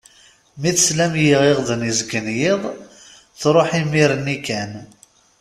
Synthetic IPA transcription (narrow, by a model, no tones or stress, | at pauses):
miθslæmjiʁeʁðənizɡənjɪðˤ | θɾˤoħimiɾənikæn